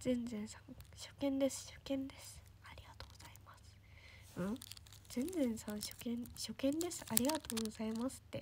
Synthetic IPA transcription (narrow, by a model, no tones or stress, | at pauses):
z̥ẽ̞nzẽ̞ɰ̃sãŋɕo̞̥kẽ̞nd̪e̞sɨ̥ɕo̞̥kẽ̞nd̪e̞sɨ̥ | aɾʲiɡat̪oːɡozaimasɨ̥ | ɯ̟̃z̥ẽ̞nd͡zẽ̞ɰ̃sãɰ̃ɕo̞̥kẽnɕo̞kẽ̞nd̪e̞sɨ̥aɾʲiɡat̪o̞ːɡɡozaimasɨ̥t̪ːe̞